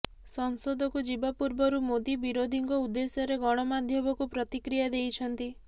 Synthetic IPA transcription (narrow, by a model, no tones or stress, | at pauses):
sɔŋsod̪ʱɔkud͡ʒibapuɾbɔɾumod̪ibiɾod̪ʱiŋkɔud̪ːesjɔɾeɡɔɽ̃ɔmad̪ʱjɔbɔkupɾɔt̪ikɾijad̪ejt͡ʃʰɔnt̪i